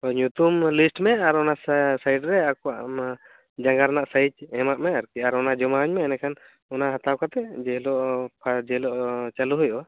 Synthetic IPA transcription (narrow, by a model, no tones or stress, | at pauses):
ɔɲut̪umlisʈmɛaɾɔnassajɖɾɛakɔwaʔ | d͡ʒaŋɡaɾnaʔsajt͡ʃhɛmaʔmɛaɾkiaɾɔnad͡ʒɔmaɔɲmɛːnɛkʰan | ɔnaɦat̪awkat̪ɛd͡ʒɛɦlɔʔpʰad͡ʒɛlɔʔt͡ʃaluɦujʔɔ